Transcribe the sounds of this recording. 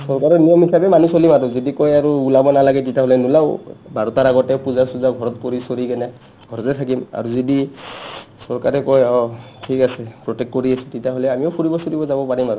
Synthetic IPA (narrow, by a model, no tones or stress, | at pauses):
sɔɹkaɹɔnijɔmɦisabɛmanusolimatɔzidikojaɹuulabɔnalaɡɛtitjaɦolɛnulawbaɹɔtaɹaɡɔtɛpuzasuzaɡʱɔɹɔtkoɹisoɹikɛnɛ | ɡʱɔɹɔtɛtʰakima̰ɹuzidi | sɔɹkaɹɛkɔjɔtʰikasɛpɹɔtɛktkoɹiasutitaɦolɛamiɔʊpʰuɹibɔsoɹibɔzabɔpaɹimatu